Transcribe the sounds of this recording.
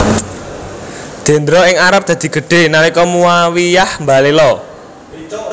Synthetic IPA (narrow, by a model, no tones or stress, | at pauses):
d̪̥e̤nd̪ɾɔɪŋaɾap̚d̪̥ä̤d̪̥i̤ɡ̥ə̤ɖ̥e̤nalikɔmuwawijahmbalelɔ